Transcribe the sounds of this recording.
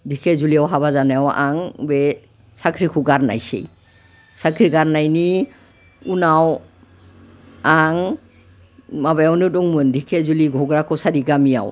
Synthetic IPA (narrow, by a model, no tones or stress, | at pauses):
dikʰezuliawɦaβazanajawa̰ŋbɛ | sakʰɾikʰuɡaɾna̰jsḛj | sakʰɾiɡaɾnajni | unaw | aŋ | mabajawnɯdɔŋmɯndikʰezuliɡʱɔɡɾakʰɔwsadiɡamija̰w